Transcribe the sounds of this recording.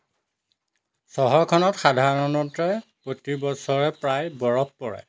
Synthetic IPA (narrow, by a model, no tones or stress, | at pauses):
sɔɦɔɹkʰɔnɔtxadʱaɹɔnɔtɹɛpotibɔsɔɹɛpɹajbɔɹɔppɔɹɛ̰